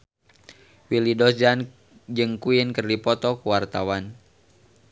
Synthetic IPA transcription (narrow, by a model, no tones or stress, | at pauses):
wilidɔsan | d͡ʒɨŋkuinkərdipɔt̪ɔkuwart̪awan